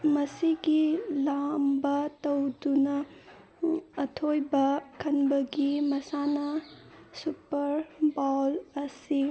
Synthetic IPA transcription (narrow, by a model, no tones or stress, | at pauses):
mɐsiɡilambɐtɐwdunɐ | tʰojbɐkʰɐnbɐɡimɐsanɐsupɐɾbawlɐsi